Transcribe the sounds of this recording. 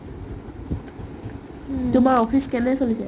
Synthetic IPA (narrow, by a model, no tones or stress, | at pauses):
tʊmaɹopʰiskɛnɛsolisɛ̰